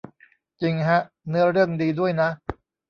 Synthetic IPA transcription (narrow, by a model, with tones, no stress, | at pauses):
t͡ɕi˧ŋɦa˦˥ʔ | nɯ˦˥ɐɾɯ˥˩əŋdiː˧du˥˩əjna˦˥